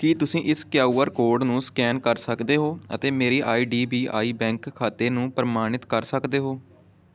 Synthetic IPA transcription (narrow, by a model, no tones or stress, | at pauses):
kiːt̪ʊsĩːʔɪskjaːuːəɾkoːɾɖnũːskɛːnkəɾsəkd̪eːɦoːə̰t̪eːmeːɾiːʔaːiːɖiːbiːʔa̰ːiːbɛ̃ːŋkʰːaːt̪eːnũːpɾəmaːɽ̃ɪt̪kəɾsəkd̪eːɦoː